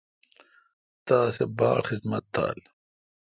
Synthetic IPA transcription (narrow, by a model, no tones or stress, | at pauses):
t̪aːsebaːɾxizmɐt̪ʰːa̰ːl